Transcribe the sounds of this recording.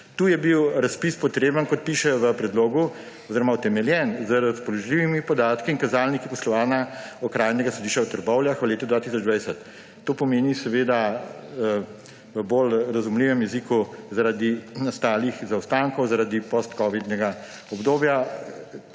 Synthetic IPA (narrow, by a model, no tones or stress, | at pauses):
t̪uːjɛbiwɾaspispɔt̪ɾeːbənkɔt̪̚piːʃɛjɔʋəpɾɛd̪loːɡu | ɔziɾɔmaut̪ɛmɛljɛnzəɾaspɔlɔʒliːʋimipɔd̪aːt̪kiːŋkazaːlnikipɔslɔʋaːnaɔkɾaːjnɛɡasɔd̪iːʃt͡ʃawt̪əɾbɔwljaxʋleːt̪ud̪ʋaːt̪is̬ɔd͡ʒd̪ʋajsɛt̪ː | oːpɔmeːnisɛʋeːd̪a | ʋəbolɾazumliʋɛmjɛziːkuzaɾad̪inast̪aːlixzawst̪aŋkɔwzaɾaːd̪ipɔst̪kɔːʋid̪nɛɡa | ɔbd̪oːbja